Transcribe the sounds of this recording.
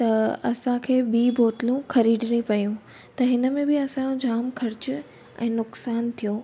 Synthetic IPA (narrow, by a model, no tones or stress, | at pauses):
t̪ɐɐsãkʰeːbiːboːt̪ɪlũxɐɾiːɖɪɽ̃ipɐjũ | t̪ɐɦɪnə̆mẽbɪɐsãjõd͡ʑaːmkʰɐɾɪt͡ɕʊ | ɛ̰̃ːnʊksaːnt̪ʰijõː